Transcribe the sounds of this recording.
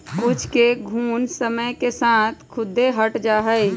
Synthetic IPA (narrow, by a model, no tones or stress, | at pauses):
kʊt͡ʃʰkeɡʱuːnsəməjkesãːt̪ʰkʰʊd̪ːeɦəʈd͡ʒaːɦəj